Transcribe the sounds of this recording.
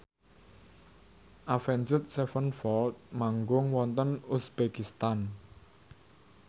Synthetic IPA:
ʔafɛnd͡ʒʊt̪̚sɛfənfɔlt̪̚maŋɡʊŋwɔnt̪ənusbekist̪an

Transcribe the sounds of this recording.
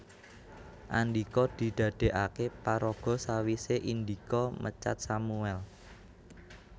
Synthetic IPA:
ʔa̰nd̪ikɔd̪̥i̤d̪̥ä̤d̪̥e̤ʔakepaɾɔɡ̥ɔ̤sawiseʔind̪ikɔmʔə̰t͡ʃa̰t̪̚samuɛl

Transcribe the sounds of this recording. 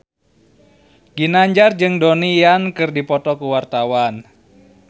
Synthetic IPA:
ɡ̥inaɲd͡ʒard͡ʒɨŋdonijankɨrdipɔt̪ɔkuwart̪awan

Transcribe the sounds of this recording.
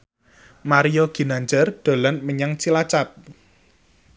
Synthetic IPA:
maɾiɔɡ̥i̤naɲd͡ʒərɖ̪̥o̤lanməɲaŋt͡ʃilat͡ʃap̚

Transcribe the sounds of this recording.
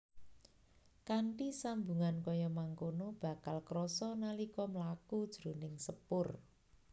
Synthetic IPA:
kaɳʈisambuŋankɔjɔmaŋkonob̥a̤kalkɾɔsɔnalikɔməlakud̥ʒ̥ɾonɪŋsəpʊr

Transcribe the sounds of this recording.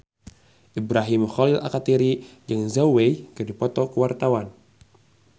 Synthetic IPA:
ʔibɾaɦimxɔlila̰kat̪iɾid͡ʒəŋzawwejkɨrdipɔt̪ɔkəwart̪awan

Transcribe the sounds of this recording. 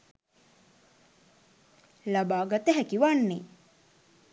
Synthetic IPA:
labaːɡɐt̪əɦækiʋanːe

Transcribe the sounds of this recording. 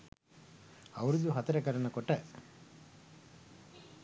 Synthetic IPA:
ɐʋɐɾid̪uɦɐt̪ːɐɾɐkɐɾɐnɐkɔʈːɐ

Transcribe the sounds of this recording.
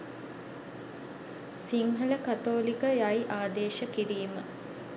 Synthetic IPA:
siŋɦələkat̪oːlikəjajʔaːd̪eːʃəkiɾiːmə

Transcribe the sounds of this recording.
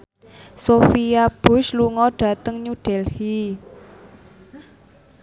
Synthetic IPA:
sofiab̥ʊ̤ʃluŋɔɖ̥a̤t̪əŋɲuɖ̥ɛlhi

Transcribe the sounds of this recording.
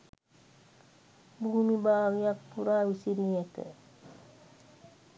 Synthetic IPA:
buɦumibaːʋijak̚puɾaːusiɾijet̪ə̰

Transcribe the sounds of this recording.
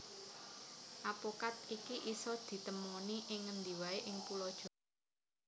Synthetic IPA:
ʔapokat̪̚ikiʔisɔd̪̥i̤t̪əmɔniʔɪŋːənd̪i̤waeʔɪŋpulɔd̥ʒ̥ɔ̤

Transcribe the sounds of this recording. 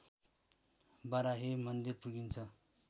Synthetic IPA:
baɾaɦemʌnd̪irpuɡint͡sʰʌ

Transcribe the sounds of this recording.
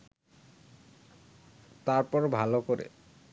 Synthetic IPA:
t̪aɾpɔɾbʱalokoɾḛ

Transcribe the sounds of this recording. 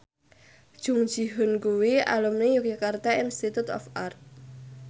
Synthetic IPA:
d̥ʒ̥ṳŋd̥ʒ̥i̤ɦʊnkuwia̰lumnijukjukart̪ainst̪it̪ut̪ɔ̰fʔart̪̚

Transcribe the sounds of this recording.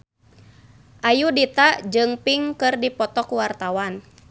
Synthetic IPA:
ʔajudit̪aʔd͡ʒɨŋpiŋkɨrdipɔt̪ɔkuwart̪awan

